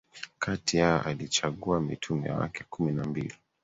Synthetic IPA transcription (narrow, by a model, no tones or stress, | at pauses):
katijaɔ̰ʔalit͡ʃaɠuamitʰumɛ̰awa̰kɛkuminambḭli